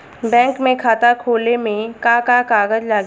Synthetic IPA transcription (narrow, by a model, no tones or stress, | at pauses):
bɛ̃ːŋkmẽkʰaːt̪akʰoːlemẽkakakaːɡəd͡ʒlaːɡ